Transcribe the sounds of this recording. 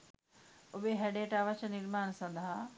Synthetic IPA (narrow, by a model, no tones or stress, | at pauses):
ʊɓeɦeɖeːʈaːʋət͡ɕʰnɪɾmaːnsɐ̃nd̪ʱa